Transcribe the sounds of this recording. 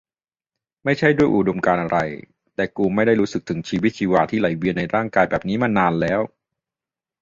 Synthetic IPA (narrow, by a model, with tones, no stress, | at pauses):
ma˥˩jt͡ɕʰa˥˩jdu˥˩əjʔu˨˩do˧mkaː˧nʔa˧ɾa˧j | t̪ɛː˨˩kuː˧ma˥˩jda˥˩jɾu˦˥sɯ˨˩k̚t̪ʰɯ˩˦ŋt͡ɕʰiː˧wi˦˥t̪̚t͡ɕʰiː˧waː˧t̪ʰiː˥˩la˨˩˦jwi˧nːa˧jɾaː˥˩ŋkaː˧jbɛː˨˩p̚niː˦˥ma˧naː˧nlɛː˦˥w